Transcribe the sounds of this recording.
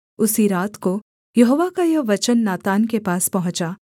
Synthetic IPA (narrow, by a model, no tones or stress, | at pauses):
ʊsiɾaːt̪ko | jɐɦoːʋakajɐʋɐt͡ʃənːaːt̪aːnkepaːspɐɦʊ̃t͡ʃa